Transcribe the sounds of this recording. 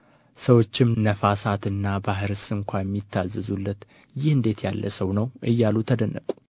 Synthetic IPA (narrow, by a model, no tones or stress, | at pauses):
səwo̞t͡ʃːɪmnəfasat̪ɨnːabaɦɨɾsɨŋkʷʰajɛmːit̪ʰːazːɨzulːət̪ | jɪhɨnd̪e̞t̪jalːəsəwnəwʔɨjːalut̪ʰəd̪ənːə̰kʼu̥